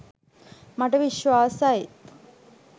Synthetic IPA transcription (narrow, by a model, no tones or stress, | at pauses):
mɐʈːɐʋiʃʋaːsajt̪